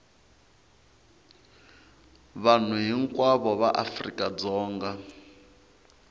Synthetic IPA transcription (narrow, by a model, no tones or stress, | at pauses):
βan̤uɦiŋkʼwaβɔβaʔafrḭkʼad͡zɔːŋɡa